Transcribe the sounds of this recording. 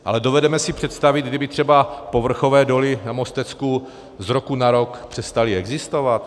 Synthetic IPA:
ʔa̰lɛdo̞vɛdɛmɛsɪpr̥ɛt̪st̪avɪd̪̚ɡdɪbɪt̪r̥ɛbapo̞vr̩xo̞vɛːdo̞lɪnamo̞st̪ɛt͡sku | zɾokunaɾo̞kpr̥ɛst̪alɪɛɡzɪst̪o̞vat̪

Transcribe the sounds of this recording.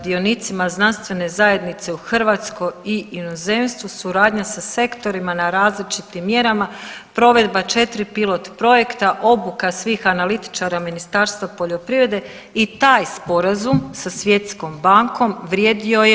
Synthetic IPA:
d̪ionit̪simaznanst̪ʋe̞ne̞zaje̞d̪nit̪se̞uxr̩ʋat̪sko̞iinoze̞ːmst̪ʋusuɾaːd̪ɲasase̞kt̪o̞ɾimanaɾaːzlit͡ʃit̪imːje̞ɾamapɾo̞ʋe̞d̪bat͡ʃe̞t̪ɾipilˠo̞t̪pɾo̞je̞kt̪aʔo̞bukasʋiːxanalit̪i̥t͡ʃaɾaminist̪aːɾst̪ʋapo̞ʎo̞pɾivɾe̞d̪e̞ | it̪aːjspo̞ɾazumsasʋje̞t̪sko̞mbaŋko̞mʋɾjeːd̪io̞je

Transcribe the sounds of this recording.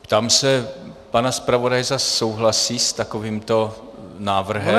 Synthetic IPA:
pt̪aːmsɛpanaspɾavo̞dajzasːowɦlasiːst̪akoviːmt̪o̞ | naːvr̩ɦɛ

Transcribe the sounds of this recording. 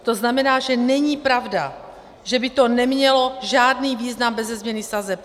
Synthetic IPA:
t̪o̞znamɛnaːʒɛnɛɲiːpɾavda | ʒɛbɪt̪onɛmɲɛlo̞ʒaːdniːviːznambɛzɛzmɲɛnɪsazɛp̚

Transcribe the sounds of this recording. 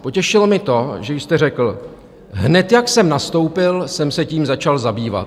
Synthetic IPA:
po̞cɛʃɪlomɪt̪o̞ʒɛjst̪ɛrɛkl̩ | ɦnɛt̪jaksɛmnast̪o̞wpɪlsɛmsɛciːmzat͡ʃalzabiːva̰t̪

